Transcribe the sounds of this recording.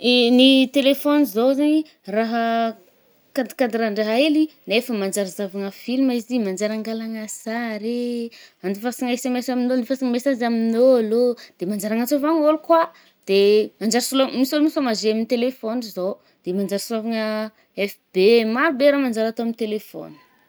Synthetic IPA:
nit̪elefonizowzani | raɦə | kad̪i̥kad̪iɾaɳɖ͡ʐaɦaelinefəmand͡ʒaɾizavaŋəfilmaizimand͡ʒaɾaŋɡalaŋasaɾeand̪ifasaŋesemɛsaminonifasiŋəmesazaminoalod̪̥emand͡ʒaɾaŋat͡sovaŋolukwa | d̪̥emand͡ʒaɾsulomisolumisamazeaminit̪elefonizo | d̪̥emand͡ʒaɾsulavaŋə | ɛfbemaɾubeɾamand͡ʒaɾat̪oaminit̪elefo̰ni̥

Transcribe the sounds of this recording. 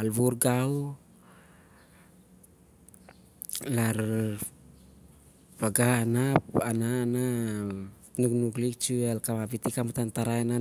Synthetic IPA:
alβuɾɡaw | laɾ | paɡaːnapanaːna | nuknuklik̚t͡ʃualkaabit̪ikamutant̪aɾaena

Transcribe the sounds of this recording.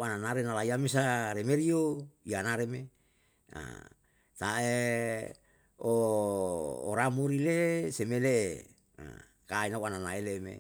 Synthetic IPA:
ananaɾenalaiames̬aɾemeɾioianaɾeme | a̰ | t̪ae | o | ɾamuɾilesemele | a̰ | kainawananaelemḛ

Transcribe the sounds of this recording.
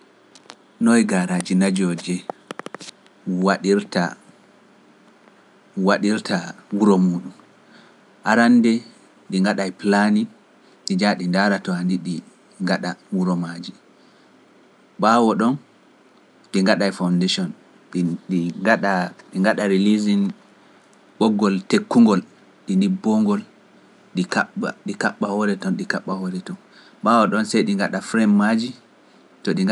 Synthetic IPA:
nɔjɡaɾad͡ʒinad͡ʒɔd͡ʒɛ | waɗiɾta | waɗiɾtʰawuɾɔmuːɗum | ʔaɾandɛ | ɗiŋɡaɗajplani | ɗid͡ʒaɗindaɾatɔandiɗi | ŋɡaɗawuɾɔmad͡ʒi | ɓawɔɗɔn | ɗiŋɡaɗajfawndeʃɔn | ɗiŋɡaɗaɗiŋɡaɗaɾilizin | ɓɔɡːɔltekːuŋɡɔl | ɗindibːɔŋɡɔl | ɗikaaɗikaɓːahɔɾɛtɔnɗikaɓːahɔɾɛtɔn | ɓawɔɗɔnsɛjɗiŋɡaɗafɾɛmːad͡ʒi | tɔɗiŋ

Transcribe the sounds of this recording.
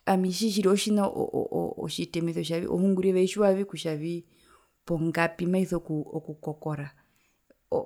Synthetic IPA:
amiʃiʃ̬iɾiɔʃinaʔɔ̰ʔːʃitɛmɛθɔʃ̬aβḭʔɔ̰huŋɡuɾiɛβɛiʃuaβikuʃaβi | pɔŋɡapimaiθɔkuɔkukɔkɔɾa | ɔ

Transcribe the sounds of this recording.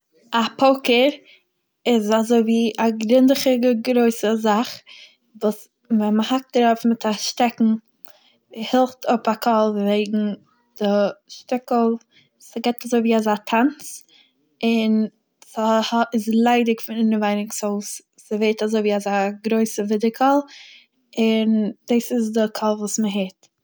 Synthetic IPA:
apʰoʊkəɾ | ɪzazoɪviːʔaɡɾɪndɪχəɡɾoɪsəzaχ | vuːs | vɛnməhak̚tɾafmɪtʰaʃtɛkŋ̩ | hɪlˠftʰʊpakʰɔlˠveɪɡŋ̩ | d̥ɪʃtɪkl̩ˠ | səɡeɪtazoɪviːazaːtʰant͡s | ɪn | shɪzlˠaɪdɪkfɪnɪnəvaɪnɪksoʊs | səveɪtazoɪviːazaːɡɾoɪsəvɪdɪkʰɔlˠ | ɪnd̥isɪzdɪkʰɔlˠvuːsməɦɪt

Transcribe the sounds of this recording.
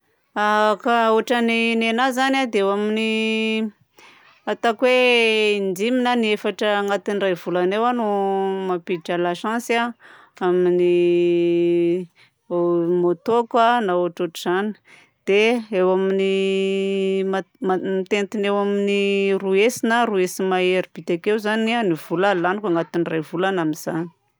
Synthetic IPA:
akaoʈ͡ʂaninenazanad̪eewamini | at̪akweind͡ziminaniefaʈ͡ʂəŋat̪inrajv̥ulanewanumapiʈ͡ʂalaʃãnsa | amini | mot̪okwanaoʈ͡ʂoʈ͡ʂuz̥ani̥ | d̪̥eewamini | mamamit̪ent̪inewaminiruesinəruesimaeɾib̥it̪akeuzanianiv̥ulalanikʷaŋɡat̪inirajvulanaminz̥ani̥

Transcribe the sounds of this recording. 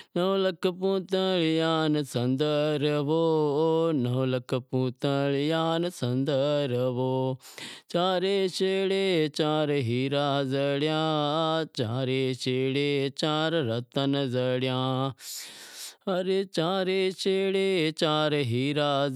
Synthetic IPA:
nɐʋləkəpũːt̪əɭjaːnsɐ̃nd̪əɾəʋoːnɐʋlɐkəpũːt̪əɭjaːnsɐ̃nd̪əɾʋoː | t͡ʃaːɾeːt͡ʃeːɽet͡ʃaːɾɦiːɾaːzəɽjãːt͡ʃaːɾet͡ʃeːɽeːt͡ʃaːɾɾɐt̪ənzəɽjãː | ɐɾeːt͡ʃaːɾet͡ʃeːɽeːt͡ʃaːɾɦiːɾaː

